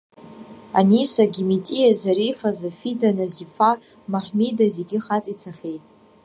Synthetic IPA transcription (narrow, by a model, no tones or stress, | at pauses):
a̰nisaɡʲimitʼijazaɾifazafidanazipʰa | maħmidazeɡʲɪχat͡sʼit͡sʰaχʲe̞jtʼ